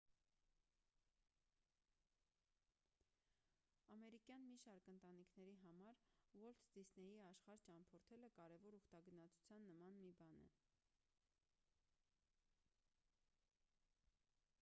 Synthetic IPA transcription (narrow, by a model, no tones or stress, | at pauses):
ɑmɛɾikjɑnmiʃɑɾkənt̪ɑnikʰnɛɾiɦɑmɑɾwɔlt̪ʰd̪̥isnɛjiɑʃχɑɾt͡ʃɑmpʰɔɾt̪ʰɛləkɑɾɛvɔɾuχt̪ɑɡənɑt͡sʰu̥t͡sʰjɑnːəmɑnmibɑnɛ̰